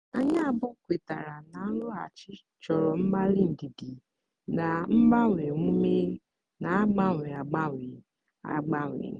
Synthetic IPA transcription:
a˦ɲa˦a˨bɔ˦kʷe˨ta˨ɾa˨na˨a˦lʊ˦a̰˨t͡ʃɪ˦ | t͡ʃɔ˨ɾɔ˨m̩˦ma˦li˦n̩˨di˨di˨ | na˨m̩˦ma˦ŋʷ˨e˨ŋʷu˦me˦ | na˨a˦ɡ͡ba˦ŋʷ˨e˨a˨ɡ͡ba˦ŋʷe˨ | a̰˨ɡ͡ba˦ŋʷ˨ḛ˨

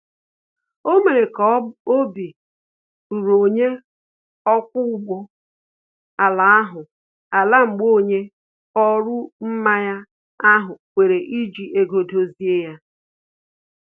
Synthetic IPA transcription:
o˦me˨ɾe˨kɔ˦o˦bi˨ | ɾu˨ɾo˨ɲe˦ | ɔ˦kʷʊ˦ʊ˦ɡ͡bo˦ | a˨la˨a˦ɦʊ˨ | a˨la˦ŋ͡m̩˨ɡ͡bo˦˨ɲe˦ | ɔ˦ɾʊ˦m̩˦ma˦ja˦ | a˦ɦʊ˨kʷe˨ɾe˨ʔi˦d͡ʒi˨ʔe˦ɡo˨do˦zi˦e˦ja˦

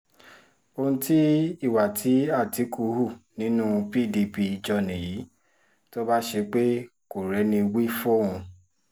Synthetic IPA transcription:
o˧hũ˧ti˦i˦˨wa˨ti˨˦a˦˨ti˨˦kʰu˨˧˦hu˦˨nĩ˨˦nũ˦pi˦˨di˧pi˧d͡ʒɔ˧nĩ˨ji˨˦ | to˦ba˦ʃe˧k͡pe˦ko˨ɾɛ˨˦nĩ˧wi˦fo˦ũ˧

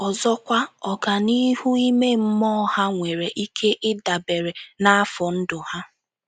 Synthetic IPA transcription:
ɔ˨zɔ˦kʷa˦ɔ˨ɡa˨ni˦ɦu˦i˦me˦m̩˦mɔ˦ha˦ŋʷe˨ɾe˨ʔi˦kʰe˦ʔɪ˦da˨be˨ɾe˨na˦a˦fɔ˨n̩˦dʊ˨ha˦

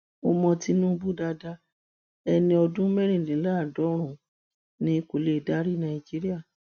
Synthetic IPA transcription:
ɔ˧mɔ̃˧ti˦nũ˦bu˦da˧da˧ | ɛ˧nĩ˧ɔ˧dũ˦mɛ˦ɾ̃ĩ˦˨lĩ˨˦la˦˨dɔ˨˦ɾ̃ũ˦˨ | nĩ˧˦ko˨le˦˨da˦ɾi˦nã˧˨i˨d͡ʒi˦ɾi˦a˦˨

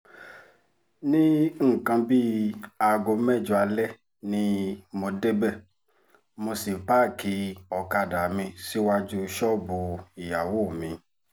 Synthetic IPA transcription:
nĩ˦ŋ̩˦˨kã˧bi˦a˧˨ɡo˧˦mɛ˦˨d͡ʒu˧a˧lɛ˦ | nĩ˦mo˧de˦bɛ˦˨ | mo˧si˨pa˦˨ki˨˦ɔ˨ka˧˨da˨mĩ˧si˦wa˦d͡ʒu˦ʃɔ˦bo˨i˨ja˨wo˦˨mĩ˨˧

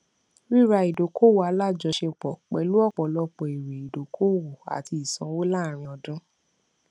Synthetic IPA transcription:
ɾi˦˨ɾa˧˨i˨do˨ko˦wo˨a˧˦la˦˨d͡ʒɔ˧˦ʃe˧k͡pɔ˨k͡pɛ˨lu˨˦ɔ˦˨k͡pɔ˨lɔ˧k͡pɔ˨i˨ɾe˨i˨do˨kʰo˦wo˨a̰˨ti˧i˨sã˨˦wo˦la˦˨ɾ̃ĩ˧ɔ˧dũ˦

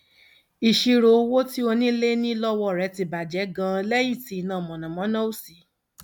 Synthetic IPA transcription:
i˨ʃi˧ɾo˨˧wo˦ti˦o˧nĩ˦le˦nĩ˦lɔ˦wɔ˦˨ɾɛ˨˧˦ti˧ba˨d͡ʒɛ˨˦ɡã˦˧lɛ˦jĩ˦˨ti˨˦˨nã˨mɔ̃˨nã˨mɔ̃˨˦nã˦o˦˨si˨˦

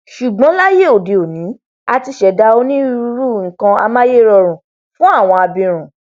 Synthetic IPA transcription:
ʃu˨ɡ͡bɔ̃˨˦la˦je˦˨o˨de˨o˨nĩ˨˦ | a˧ti˧ʃɛ˨da˧o˦nĩ˦ɾu˧˦ɾu˦˨ŋ̩˨kã˧a̰˧mãː˦je˦˨ɾɔ˧˨ɾ̃ũ˨ | fũ˦a˦˨w̃ɔ̃˧a˧bĩ˧ɾ̃ũ˨

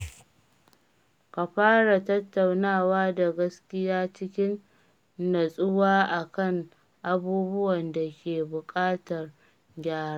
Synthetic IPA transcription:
ka˨ɸaː˦ɽa˨tɐ˦tːa˨wnaː˦˨waː˦da˨ɡɐ˦skʲɪ˦jaː˦t͡ʃɪ˦kʲɪ˦nː | ɐ˨sʼʊ˦waː˦ʔa˨kɐ˦˨ŋ | ʔa˨buː˦bʊ˦wɐ˨nda˨kʲeː˨bʊ˨kʼaː˦tɐ˨r | ɡʲaː˦ɾa˦

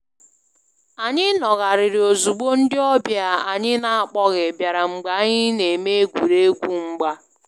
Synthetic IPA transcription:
a˨ɲɪ˦nɔ˨ɣa˨ɾɪ˨ɾɪ˨o˨zu˨ɡ͡bo˦n̩˦dɪ˦ɔ˦bja˨a̰˨ɲɪ˦na˨a˨k͡pɔ˦ɣɪ˨bja˨ɾa˨ŋ͡m̩˨ɡ͡ba˨˦ɲɪ˦ne˨me˦e˦kʷu˨ɾe˦e˦kʷu˦ŋ͡m̩˦ɡ͡ba˦

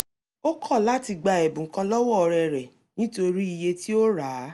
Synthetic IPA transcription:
o˦kʰɔ˦˨la˨˦ti˧ɡ͡ba˧e˨bũ˨˦kã˧lɔ˦wɔ˦˨ɔ˧ɾɛ˨ɾɛ˨ | nĩ˦to˧ɾi˦i˧je˧ti˦o˦ɾa˨˦

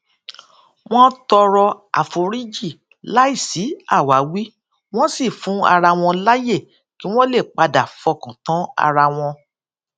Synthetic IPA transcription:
w̃ɔ̃˦tɔ˧ɾɔ˧a̰˨fo˨ɾi˦d͡ʒi˦˨ | la˦i˦˨si˨˦a˦˨wa˨˦wi˦ | w̃ɔ̃˦si˦˨fũ˨˦a̰˧ɾa˧w̃ɔ̃˧la˦je˦˨ | ki˨˦w̃ɔ̃˦le˦˨k͡pa˧da˨fɔ˧˨kã˨tɔ̃˨˦a̰˧ɾa˧w̃ɔ̃˧

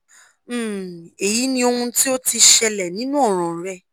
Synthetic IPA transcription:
e˨ji˨˦nĩ˧o˧hũ˧ti˦o˦ti˧ʃɛ˧lɛ˨nĩ˦nũ˦ɔ˦˨ɾ̃ɔ̃˨ɾɛ˦

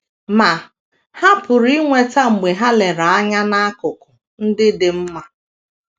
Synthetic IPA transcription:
ma˨ | ha˦pʊ˨ɾi˦ŋʷe˨ta˦ŋ͡m̩˨ɡ͡be˨ɦa˦le˨ɾa˨a˦ɲa˦na˦kʊ˨kʊ˨ | n̩˦dɪ˦dɪ˨m̩˦ma˨

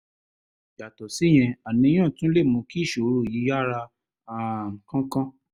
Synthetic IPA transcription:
d͡ʒa˨tɔ˨si˨˦j̃ɛ̃˧a˨nĩ˧˦ã˦˨tũ˦le˦˨mũ˧˦ki˦˨ʃo˨˦ɾo˦˨ji˨˦ja˦˨ɾa˧ | a˨kã˦kã˦

